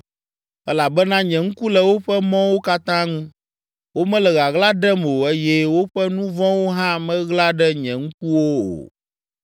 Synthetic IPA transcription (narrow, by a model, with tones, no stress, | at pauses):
ɛ˦la˨bɛ˦nã˦ɲɛ̃˨ŋũ˦ku˦lɛ˨wo˦ɸɛ˦mɔ̃˦wo˦ka˦t̪ã˦ŋũ˦ | wo˦mɛ̃˦lɛ˨ɣa˨ɣla˦ɖɛ˦mo˨e˦jɛ˦wo˦ɸɛ˦nũ˦vɔ̃˦wo˦ɦã˦mɛ̃˦ɣla˦ɖɛ˦ɲɛ̃˨ŋũ˦ku˦wo˦o̰˨